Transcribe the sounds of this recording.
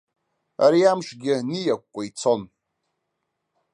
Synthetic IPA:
a̰ɾiamʃɡʲɪnijakʷkʷʼait͡sʰo̞n

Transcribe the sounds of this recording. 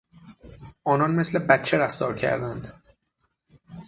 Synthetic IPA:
ʔɒːnɒːnmesle̞bæt̪̚t͡ʃʰeɾæft̪ɒːɾcʰæ̰ɾd̪ænd̪

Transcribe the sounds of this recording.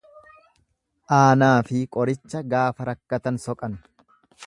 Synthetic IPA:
ʔaːnaːfɪkʼɔɾɪt͡ʃːɐɡaːfɐɾɐkːɐt̪ɐnsɔkʼɐn

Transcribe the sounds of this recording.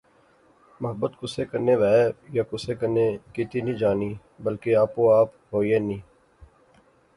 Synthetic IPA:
mɐɦəbət̪kʊsekəɾneʋɛːejakʊsekəɾnekit̪inĩd͡ʒaːniː | bəlkeaːpkoaːp | ɦoːieːnĩː

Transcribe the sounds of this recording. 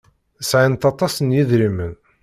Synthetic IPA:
əsʕint̪ɑt̪ˤɑsənjiðɾimən

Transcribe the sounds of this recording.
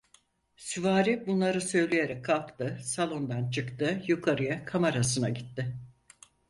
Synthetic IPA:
syvaːɾibunlˠaɾɯsø̞jlʲejeɾɛkkʰːalˠpt̪ɯsalˠo̞nd̪ant͡ʃʰɯkt̪ɯjukʰaɾɯjakʰamaɾasɯna̰ɟit̪ːɪ

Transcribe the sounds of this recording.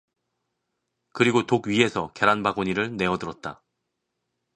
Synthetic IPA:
kɯɾiɡotoɡɥiɦe̞sʰʌke̞ɾanbaɡoɲiɾɯɭne̞ʌdɯɾʌt̚t͈a̰

